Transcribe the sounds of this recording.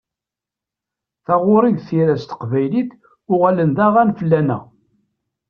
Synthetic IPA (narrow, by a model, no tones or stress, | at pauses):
θɑʁʊɾiʝθiɾæst̪ə̥qvæjliθ | ʊʁælənðæʁænfəlːænæ̰